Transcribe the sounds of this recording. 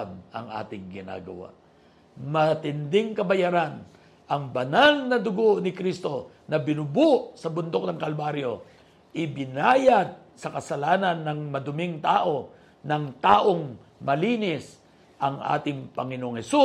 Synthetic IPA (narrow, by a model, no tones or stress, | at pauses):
bʔɐ̰ŋʔa̰ːt̪ɪŋɡɪna̰ɡɐ̰wa̰ʔ | mɐt̪ɪnd̪ɪŋkɐbɐjaɾan | ʔɐŋbɐnalnɐd̪ʊɡonɪkɾist̪o̞ | nɐbɪnʊbuʔsɐbʊnd̪o̞k̚nɐŋkɐlbaɾjo | ʔɪbɪnaːjɐd̪̚ | sɐkɐsɐlaːnɐnːɐŋmɐd̪ʊmɪŋt̪aːʔo̞ | nɐŋt̪aːʔo̞ŋ | mɐliːnɪs | ʔɐŋʔa̰ːt̪ɪŋpɐŋɪnoʔoŋhɛsu